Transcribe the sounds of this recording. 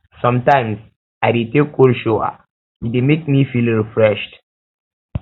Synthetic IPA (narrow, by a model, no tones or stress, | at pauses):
sɔ̃mtãɪ̃ms | aɪdetekːolʃoa̰ | idemek̚mifilɹifɹɛʃt